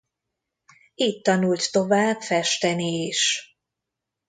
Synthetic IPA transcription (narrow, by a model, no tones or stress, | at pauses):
iːtt̪ːɒnult̪ːo̞vaːbfɛʃt̪ɛnieʃ